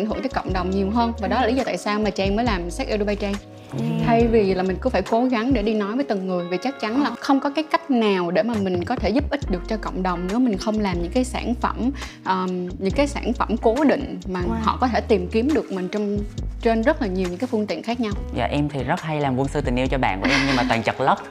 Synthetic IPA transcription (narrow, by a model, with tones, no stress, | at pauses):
nɦɨ˧˩ŋt̪əː˨˦kɔ̰˧˨wŋ͡mɗə˨˩wŋ͡mɲi˨˩əwɦəː˧nvaː˨˩ɗɔ˨˦lːli˨˦zɔ˧t̪a̰ː˧˨saː˧wmaː˨˩t͡ɕa˧ɛ˧ŋməː˨˦jlaː˨˩msa˦˥k̚ʔɛ˧ɗo˧ɓa˧jt͡ɕɛ˧ŋ | t̪ʰa˧jvi˨˩˨laː˨˩mï˨˩ŋ̟kɨ˧˥˦faː˧˩jko˨˦ɣa˨˦ŋɗe˧˩ɗi˧nɔ˨˦jvəː˨˦jt̪ɨ˨˩ŋːɨ˨˩əjvi˨˩t͡ɕa˦˥k̚t͡ɕa˨˦nlaː˨˩xə˧wŋ͡mkɔ˨˦kaː˨˦jka˦˥jk̟̚naː˨˩wɗe˧˩maː˨˩mï˨˩ŋ̟kɔ˨˦t̪ʰe˧˩zu˦˥p̚ʔï˦˥t̟̚ɗɨ˨˩ək̚t͡ɕɔ˧kə̰˧˨wŋ͡mɗə˨˩wŋ͡mne˨˦wmï˨˩ŋ̟xə˧wŋ͡mlaː˨˩mɲɨ̰˧˥ŋkaː˨˦jsaː˧˩nfə̰˧˩m | ʔəː˨˩ɲɨ̰˧˥ŋkaː˨˦jsaː˧˩nfə˧˩mko˨˦ɗḭ̈˧˨ŋ̟maː˨˩hɔ̰˧˨kɔ˨˦t̪ʰe˧˩t̪i˨˩mki˨˦əmɗɨ˨˩ək̚mï˨˩ŋ̟t͡ɕɔ˧wŋ͡mt͡ɕe˧nzə˦˥t̚laː˨˩ɲi˨˩wɲɨ̰˧˥kaː˨˦fɨ˧nt̪ḭ˧˨ənxaː˦˥k̚ɲa˧wza̰ː˨˩ʔɛ˧mt̪ʰi˨˩zə˦˥t̚ha˧jlaː˨˩mku˧ənsɨ˧t̪ï˨˩ŋ̟ʔi˧əwt͡ɕɔ˧ɓa̰ː˧˨ku˧˩ʔɛ˧mɲɨ˧maː˨˩t̪waː˨˩t͡ɕə˨˩t̚lə˦˥t̚